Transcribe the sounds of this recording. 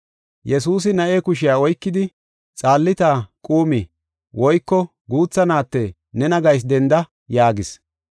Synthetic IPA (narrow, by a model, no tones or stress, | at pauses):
jɛsuːs̬ɪnɐʔeːkʊʃ̬ɪjaːɔjkːɪd̪ɪ | t͡sʼaːlːɪt̪aːkʼuːmɪ | wɔjkːɔ | ɡuːt͡sːɐnaːt̪ːɛ | nɛnɐɡɐjs̬d̪ɛnd̪ɐ | jaːɡɪs